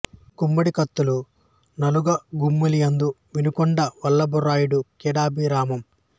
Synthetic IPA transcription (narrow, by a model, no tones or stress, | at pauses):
kumːɐɽikɐt̪ːulu | nɐluɡɐɡumːulijɐnd̪u | ʋinukɔɳɖɐʋɐlːɐbɔɾaːjuɽukɛːɽaːbiɾaːmɐm